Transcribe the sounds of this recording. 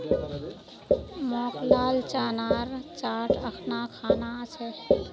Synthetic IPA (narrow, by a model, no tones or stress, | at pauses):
mɔːklaːlt͡ʃaːnaːɾt͡ʃaːʈʰəkʰnakʰaːnat͡ʃʰɛ